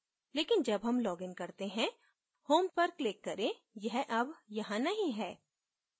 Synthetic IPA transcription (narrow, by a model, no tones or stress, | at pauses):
leːkɪnd͡ʒɐbɦɐmlɔːɡɪ̃ŋkɐɾt̪eɦɛ̃ | hoːmpɐɾklɪkːɐɾẽ | jɛɦʔɐbjɐɦãnɐɦĩɦɛː